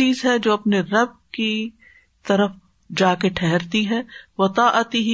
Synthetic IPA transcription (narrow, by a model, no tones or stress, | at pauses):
iːzɦɛd͡ʒoːɐpneɾɐb̚ki | t̪ɐɾəf | d͡ʒaːkeʈʰɛɦɛɾt̪iɦɛːʋɐt̪aːʔət̪iɦ